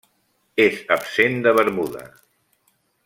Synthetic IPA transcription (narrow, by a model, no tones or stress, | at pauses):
ezəpsend̪əβəɾmuðə̰